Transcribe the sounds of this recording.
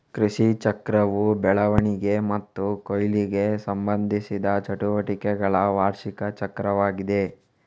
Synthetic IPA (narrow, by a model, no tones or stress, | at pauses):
kɾiʃit͡ʃɐkɾɐʋubɛɭɐʋɐɳiɡe̞mɐt̪ːukojliɡe̞sɐmbɐnd̪ʱisid̪ɐt͡ʃɐʈuʋɐʈikɛɡɐɭɐʋaːɾʃikɐt͡ʃɐkɾɐʋaːɡid̪e̞